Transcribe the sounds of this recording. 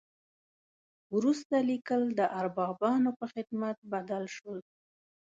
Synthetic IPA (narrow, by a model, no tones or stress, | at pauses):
wɾust̪alikəld̪əʔaɾbɑbɑnopəxɪd̪mat̪̚bad̪alʃəl